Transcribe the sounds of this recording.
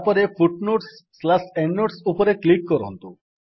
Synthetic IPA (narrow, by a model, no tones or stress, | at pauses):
pɔɾefʰuʈnoʈsːlasɛɳːoʈsupɔɾeklikːɔɾɔ̰nt̪ṵ